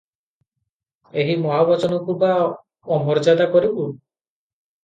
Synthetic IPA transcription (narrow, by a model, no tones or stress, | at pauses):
eɦimɔɦabat͡ʃɔnɔkuba | ɔmɔɾd͡ʒad̪akɔɾibu